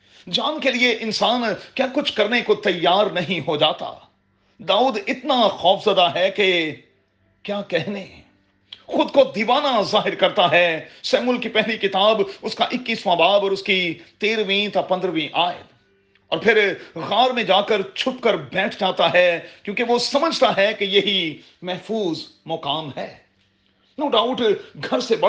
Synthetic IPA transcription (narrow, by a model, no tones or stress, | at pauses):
d͡ʒaːnkelieʔɪnsaːnkjaːkʊt͡ʃʰkɐɾnekot̪ɐjːaːɾnɐɦĩɦod͡ʒaːt̪a̰ː | d̪aːuːd̪ɪt̪naxɔːfʰzɐd̪aɦɛke | kjaːkɛɦne | xʊd̪kod̪iːʋaːnazaːɦɪɾkɐɾt̪aɦɛsɛːmʊlkipɛɦlikɪt̪aːbʊskaʔɪkːiːsmaːbaːbɔːɾʊskit̪eːɾʋĩt̪apɐ̃nd̪ɾəʋĩʔaːjɪ̰d̪ | ɔ̰ːɾpʰɪɾɣaːɾmẽd͡ʒaːkəɾt͡ʃʰʊpkəɾbɛːʈʰd͡ʒaːt̪aɦɛkjõːkeʋosɐməd͡ʒʱt̪aɦɛkejɐɦi | mɛɦfuːzmʊqaːmɦɛː | noːɖaːʊʈɡʱɐɾsebɐ